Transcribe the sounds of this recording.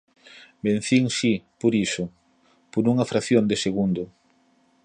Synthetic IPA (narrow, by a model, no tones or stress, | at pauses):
bẽn̟θiŋsipoɾisʊ | poɾuŋɐfɾaθjond̪eseɣund̪ʊ